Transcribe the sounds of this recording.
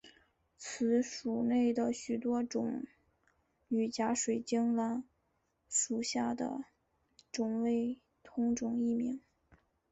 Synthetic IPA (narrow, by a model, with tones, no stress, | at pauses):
t͡sʰɹ̩˧˥ʂu˨˩ne˥˩ɪd̪ə˩ɕy˨˩t̪wɔ˥ʈ͡ʂʊ˨˧˥ŋ | y˨˩t͡ɕja˧˥ʂwe˨˩ɪt͡ɕi˥ŋla˥n | ʂu˨˩ɕja˥˩d̪ə̰˩ | ʈ͡ʂʊ˨˩ŋwe˥ɪ | t̪ʰʊ˧˥ŋʈ͡ʂʊ˨˩ŋi˥˩mi˧˥ŋ